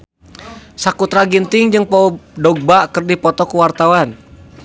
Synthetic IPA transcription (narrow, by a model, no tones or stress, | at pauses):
sakut̪ɾaɡint̪ɪŋd͡ʒɨŋpɔdɔɡ̚bakərdipɔt̪ɔkuwart̪awan